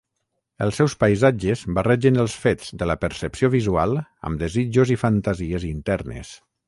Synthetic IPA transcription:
əlˠsːɛwspəjzad͡ʒəzbərɛʒənəlˠsfezd̪ələpəɾsəpsioβizua̰lˠə̰md̪əzid͡ʒuzifənt̪əziəzint̪ɛrnə̰s

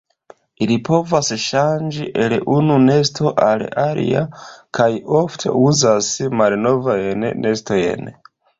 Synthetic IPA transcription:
ilipo̞vasʃand͡ʒiʔe̞lʔunune̞sto̞ʔalaɾḭa̰kʰajo̞ftʰe̞̰uzasmalno̞vajnne̞sto̞j̰n

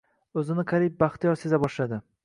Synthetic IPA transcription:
ɵzɪnɪkʰaɾip̚baχt̪ɪjɒse̞zabɒʃlad̪ɪ

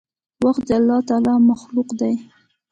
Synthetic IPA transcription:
waxt̪̚d̪əalːɑt̪ɑlɑmaxluqd̪aj

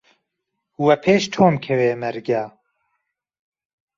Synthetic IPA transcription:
huwɛpʰeːʃt̪ʰoːmkʰɛweːmɛɾɡaː

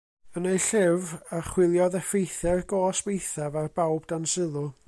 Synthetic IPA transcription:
ənejɬɪvaχwɪlˠjɔðɛfejθɛrɡoːswejθavarbawbdansɪlˠʊ

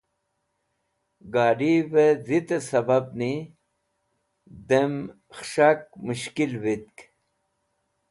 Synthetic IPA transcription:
ɡaːɖivezit̪esɐbab̚ni | d̪em | xʂak̚muɕkilvit̪̚k

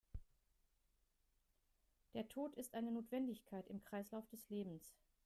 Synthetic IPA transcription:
d̥eːɐtʰoːtɪstʔaɪnənoːtv̥ɛndɪçkʰaɪtɪmkʁ̥aɪslaʊfd̥ɛsleːbm̩s

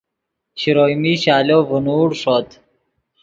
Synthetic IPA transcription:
ɕiɾojmiːɕaːloːvunuːɽʂot̪

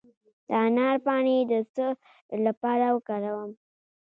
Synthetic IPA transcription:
d̪əanɑɾpɑɳed̪əsə | lapɑɾawəkɑɾawəm

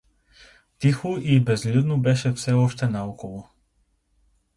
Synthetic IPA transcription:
t̪ixuibɛzlud̪nubɛʃɛfsɛɔʃt̪ɛnaɔkɔvɔ

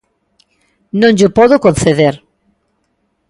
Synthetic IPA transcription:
nõŋʎopɔðokonθeðeɾ

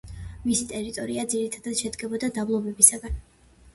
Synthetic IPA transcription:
misit̪ʼɛɾit̪ʼɔɾiad̪ziɾit̪ʰad̪ad̪̥ʃɛd̪ɡɛbɔd̪ad̪amlˠɔbɛbisaɡan

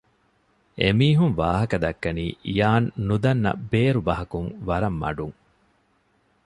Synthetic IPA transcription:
ʔemiːɦuŋʋaːɦɐkɐd̪ɐkːɐniːʔijaːnːud̪ɐnːɐ̰beːɾubɐɦɐkuŋʋɐɾɐmːɐ̰ɖuŋ

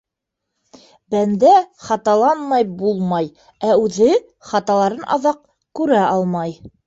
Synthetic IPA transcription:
bænd̪æχɑt̪ɑlˠɑnmɑjbulˠmɑj | æʉðɘ | χɑt̪ɑlˠɑɾɤnʔɑ̰ðɑq̚ | kʉɾæʔɑlˠmɑj

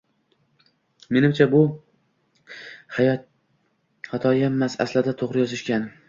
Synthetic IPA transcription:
me̞nɪmt͡ʃʰabʊ | hat̪ʰɒjemːasa̰slɪd̪at̪ʰoʁɾɪjɒzɪʃkʲan

